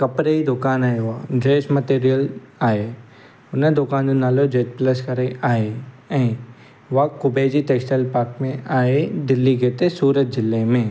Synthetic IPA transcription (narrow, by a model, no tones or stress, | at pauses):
kɐpɾeid̪ʊkaːnaːeʋad͡ʒeːʃmɐt̪eːɾijəl | aːe | ʊnəd̪ʊkaːnd͡ʒonaːlod͡ʒeːt͡ʃplɐskɐɾeaːe | ɛ̃ː | ʋakʊbeːd͡ʑiʈeːksʈəlpaːɾkmẽaːed̪ɪlːiɡeːt̪esuːɾət̪̚d͡ʒɪlːemẽː